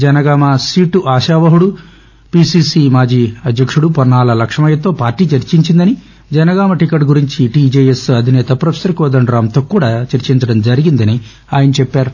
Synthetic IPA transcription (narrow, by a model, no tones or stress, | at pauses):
d͡ʒɐnɐɡaːmɐsiːʈuʔaːʃaːʋɐɦuɽu | piːsiːsimaːd͡ʒiːɐd̪ʱjɐkʂuɽupɔɾɳaːlɐlɐkʂɐmɐjɐt̪o̞ːpaːɾʈːiːt͡ʃɐɾt͡ʃiɲt͡ʃind̪ɐni | d͡ʒɐnɐɡaːmɐʈikɐʈɡuɾiɲt͡ʃiʈiːd͡ʒeːjesɐd̪ʱinɛːt̪ɐpɾɐpʰe̥sɐɾkɔːd̪ɐɳɾaːmt̪oːkuːɽaːt͡ʃɐɾt͡ʃiɲt͡ʃɐɽɐmd͡ʒɐɾiɡind̪ɐni | aːjɐnɐt͡ʃɛpːaːɾu